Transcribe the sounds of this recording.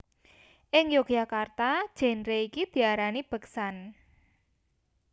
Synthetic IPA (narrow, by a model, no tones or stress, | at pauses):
ʔɪŋjoɡ̥jakart̪ad̥ʒ̥ɛ̤nɾeikid̪̥i̤aɾanib̥ə̤ksan